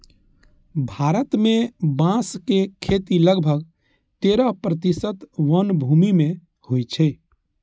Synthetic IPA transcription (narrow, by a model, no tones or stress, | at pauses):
bʱaːɾət̪mẽbãskekʰet̪iləɡbʱəɡ | t̪eɾapɾət̪isət̪ʋənbʱumimẽ | hojt͡ʃʰe